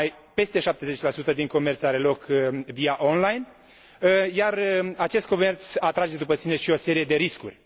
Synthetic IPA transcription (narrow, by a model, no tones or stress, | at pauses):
j | pe̞st̪e̞ʃap̚t̪e̞ze̞t͡ʃʲlasut̪əd̪iŋko̞me̞rt̪saɾe̞lo̞kviaʔo̞nlajn | jarəat͡ʃe̞st̪kome̞rt̪sat̪ɾad͡ʒe̞d̪upəsine̞ʃio̞se̞ɾije̞d̪e̞ɾiskṵrʲ